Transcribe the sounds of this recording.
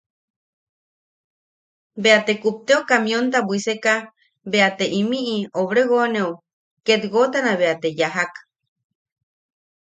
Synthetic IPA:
beat̪ekup̚t̪eokamjont̪̬abwiseka | beat̪eʔimiʔioβɾeɣoneu | ket̪ɡot̪anaβeat̪ejaɦak

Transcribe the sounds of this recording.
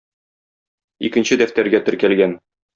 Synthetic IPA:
ikɘ̆nɕɘd̪æft̪æɾɡæt̪ɘ̆ɾkælɡæn

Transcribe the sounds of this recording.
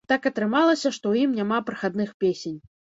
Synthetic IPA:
t̪akɐt̪ɾɨmalˠɐsʲɐʂt̪ɔwjimnʲamapɾɨxad̪nɨxpʲesʲenʲ

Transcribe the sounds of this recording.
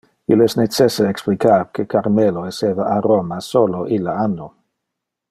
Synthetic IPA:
ilesnet̪sesaeksplikarkʰekaɾmeloesevaʔaromasoloʔilːaanːo

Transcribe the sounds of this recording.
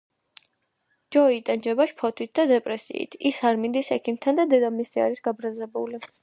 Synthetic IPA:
d͡ʒɔit̪ʼand͡ʒɛbaʃpʰɔt̪ʰwit̪̚d̪ad̪ɛpʼɾɛsḭḭt̪ʰisaɾmind̪isɛkʰimt̪ʰand̪ad̪ɛd̪amisia̰ɾisɡabɾazɛbuli

